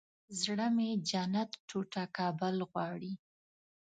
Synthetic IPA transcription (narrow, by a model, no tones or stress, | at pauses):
zɽəmed͡ʒanat̪ʈʰoʈakɑbəlɣwɑɽi